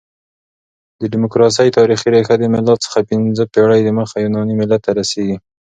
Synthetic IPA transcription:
d̪əɖɪmʊkɾɑs̬əjt̪ɑɾixiɾaxad̪əmɪlɑt̪t͡sə̥xapɪnzəpeɽajd̪əməxajunɑnimɪlːat̪ːaɾaseɡi

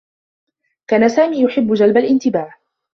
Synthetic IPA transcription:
kaːnasaːmiːjʊħɪbːʊd͡ʒalbalʔɪnt̪ɪbaːʕ

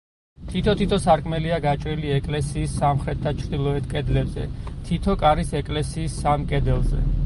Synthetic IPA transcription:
t̪ʰit̪ʰɔt̪ʰit̪ʰɔsaɾkʼmɛliaɡat͡ʃʼɾiliɛkʼlɛsiːsːamχɾɛt̪̚d̪at͡ʃʰɾd̪ilˠɔɛt̪ʰkʼɛd̪lɛbzɛ̰t̪ʰit̪ʰɔkʼaɾisɛkʼlɛsiːsːamkʼɛd̪ɛlˠzɛ̰

